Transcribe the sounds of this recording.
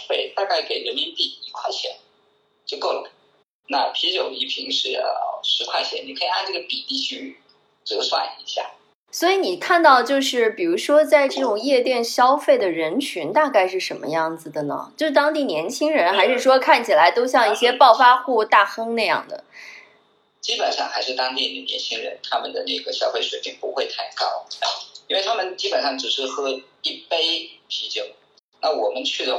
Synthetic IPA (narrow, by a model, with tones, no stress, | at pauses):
t̪we˥˩ɪt̪a˥˧ka˥˩ɪke˨˩ɪɻə˧˥nmi˧˥nt̪i˥˩i˧˥kʰwa˥˩ɕʰjɛ̰˧˥n | t͡ɕjo˥˧ʊko˥˩ʊl | na˥˩pʰi˧˥t͡ɕjo˨˩ʊi˧˥pʰi˧˥ŋʂɻ̩̰˥˩˧ʂɻ̩˧˥kʰwa˥˩ɕʰjɛ˧˥nni˨˩kʰɤ˧˥i˨˩a˥˧ʈ͡ʂɤ˥˩ə˩pi˨˩t̪i˥˧t͡ɕʰy˥˧˥ | ʈ͡ʂɤ˥˩ɡswa̰˥˩˨i˧˥ɕja̰˥˩ | swɔ˧˥i˧˥ni˨˩kʰa˥˧nt̪ɑ˥˧ʊt͡ɕjo˥˧ʊʂɻ̩˥˩pi˨˩ɻu˧˥ʂwɔ˥t͡sa˥˧ɪʈ͡ʂɤ˥˩ʈ͡ʂʊ˨˩ŋjɛ˥˧t̪jɛ˥˩nɕjɑ˥ʊfe˥˩ɪd̪ə˩ɻə˧˥nt͡ɕʰy˧˥nt̪a˥˧ka˥˧ɪʂɻ̩˥˩ʂə˧˥nmə̰˧jɑ˥˩ŋd͡zɹ̩˨˩d̪ə˩nə̰˩t͡ɕjo˥˧ʊʂɻ̩˥˩t̪ɑ˥ŋt̪i˥˩njɛ˧˥nt͡ɕʰi˥ŋɻə˧˥nxa˧˥ɪʂɻ̩˥˩ʂwɔ˥kʰa˥˩nt͡ɕʰi˨˩la˧˥ɪt̪o˥ʊɕ̬jɑ˥˧ŋi˥˩ɕjɛ˥pɑ˥˩ʊfa˥xu˥˧t̪a˥˩xɤ˥ŋna˥˧ɪjɑ̰˥˩ŋd̪ə̰˩ | t͡ɕi˥pə˨˩nʂɑ̰˥˧ŋxa˧˥ɪʂɻ̩˥˩t̪ɑ˥ŋt̪i˥˩nə˩njɛ˧˥nt͡ɕʰi˥ŋɻə̰˧˥nt̪ʰa˥mə˨nd̪ə˩nə˥˩ɡə˩ɕjɑ˥fe˥˩ɪʂwe˨˩ɪpi˥˩ŋpu˧˥xwe˥˧ɪt̪ʰa˥˩nkɑ˥˩ʊ˥˩i˥nwe˥˩ɪt̪ʰa˥mə˨nt͡ɕi˥pə˨˩nʂɑ˥˩ŋʈ͡ʂɻ̩˨˩ʂɻ̩˥˩xɤ˧˥ | i˥˩pe˥ɪpʰi˧˥t͡ɕjo˨˩ʊ | na˥˩wɔ˨˩mə˦nt͡ɕʰy˥˩d̪ə˩